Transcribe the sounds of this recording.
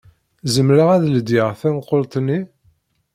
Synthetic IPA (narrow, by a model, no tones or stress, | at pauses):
zəmɾəʁæðld̪jɪʁθænqːolt̪ˤnːi